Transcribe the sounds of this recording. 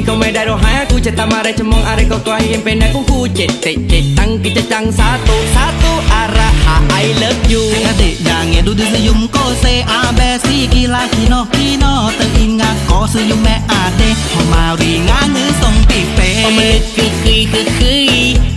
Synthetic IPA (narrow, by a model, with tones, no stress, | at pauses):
ko˧wmɛ˧da˧jɾo˧ɦa˧˦a˧ku˧t͡ɕa˧t̪a˧ma˧ɾe˧t͡ɕa˧mɔ˧ŋʔa˧ɾe˧ka˧wt̪u˧a˧hi˧he˧mpe˧na˧ku˧˦ku˧t͡ɕe˨t̪̚t̪e˨˩t͡ɕe˨˩t̪a˧ŋki˧˩t͡ɕa˧t͡ɕa˧ŋsa˧˦t̪u˧sa˧˦t̪u˧ʔa˧ɾa˧ha˨˦ʔa˧jlə˨˦p̚ju˧ŋa˧d̪e˨ʔja˨ŋe˨du˧˦di˧s̬ɯ˧ju˧mko˧˩se˧ʔa˧bɛː˧si˧˨ki˧˦la˧ki˧˨nɔ˧˨ki˧nɔː˧t̪ə˧ʔi˧ŋa˧kɔ˨˧˦sɯ˧ju˧mːɛ˧ʔa˧˩de˧˨hʰɔ˨ma˧ɾi˨ŋa˧˥˦ŋɯ˧˦˨nso˧˩ŋpi˧˩pe˧ɔ˧ma˧lɯ˧kɯ˧kʰɯ˧jkʰɯ˧kʰɯ˧˦